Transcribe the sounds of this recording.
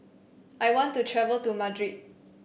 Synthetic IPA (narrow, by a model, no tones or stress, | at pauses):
ʔajwɔ̃ntːutʰɹɛvəltumadɹit̚